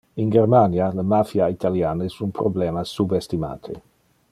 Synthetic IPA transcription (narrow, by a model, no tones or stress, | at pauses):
iŋɡermanjalemafjait̪aljaːnesunpɾoblɛːmasubest̪ima̰ːt̪ʰḛ